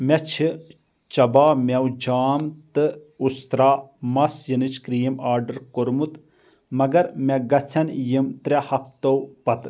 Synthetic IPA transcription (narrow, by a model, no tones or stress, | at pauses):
mɛt͡ʃʰi | t͡ʃɐbaːmʲɐwd͡ʒaːmt̪ɨust̪ɾaːmɐsjɨnɨt͡ʃʰkɾiːmaːɾɖɐɾkoɾmut̪ | mɐɡɐɾmɛɡɐt͡sʰɐnjimt̪ɾʲɐhɐp̚t̪owpɐt̪